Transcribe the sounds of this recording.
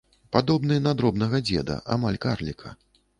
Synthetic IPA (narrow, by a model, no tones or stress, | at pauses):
pad̪ɔbnɨjɛnad̪ɾɔbnɐɣɐd͡zʲɛd̪ɐ̰ʔamalʲkarlʲikʰɐ̰